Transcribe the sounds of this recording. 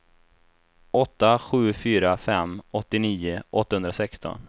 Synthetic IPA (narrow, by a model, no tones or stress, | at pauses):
ɔt̪ːaɧʉ̟ːfyːɾafɛmːɔt̪ːɪniːʊʔɔt̪ːahɵnd̪ɾasɛkst̪ʰɔ̰n